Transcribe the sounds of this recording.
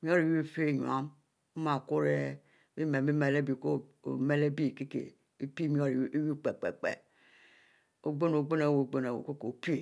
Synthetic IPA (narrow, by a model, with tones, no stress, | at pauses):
mi˦o˦ɾi˨wi˦˨fe˦˨ɲṵ˨a̰˦m | u˦ma˨ku˦ɾe˦ | mi˦me˨mi˦me˨le˦bi˨ko˦˨o̰˨me˦le˦bi˦˨ke˦kḛ˨ | e˦pi˦mi˦o˦ɾwi˦k͡pe˨k͡pḛ˨k͡pḛ˨ | o˨ɡ͡bo˦no˨ɡ͡bo˦na˨wo˨ɡ͡bo˦na˨wo̰˨ko˦ko˨pe˨